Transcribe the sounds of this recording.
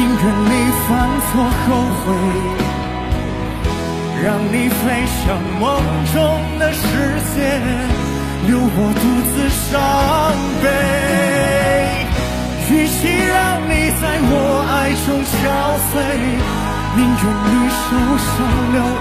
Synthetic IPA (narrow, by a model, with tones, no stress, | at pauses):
i˧˥ŋʈ͡ʂə˨˩nli˨˧˩fa˧˥nswɔ˧˥xʰo˧˩ʊxwe˧˩ɪ | ɻɑ˧˩ŋni˨˩fe˥ɪɕjɑ˨˩ŋmɔ˧˥ŋ | ʈ͡ʂʊ˥ŋd̪ə˧ʂɻ̩˧˥t͡ɕjɛ˥˩ | ljo˧˥ʊwɔ˨˩t̪u˧t͡sɹ̩˧ʂɑ˧˥ŋpe˧˥ | t͡ɕy˧˩ɕi˥ɻɑ˥˧ŋni˨˩t͡sa˥˧ɪwɔ˨˩a˥˩ɪʂʊ˥ŋɕjɑ˧˥ʊswe˥˧˩ | mi˧˥ŋʈ͡ʂə˨˩nli˧ʂo˧˥ʊɕɑ˨˧ʊljo˧˥ʊ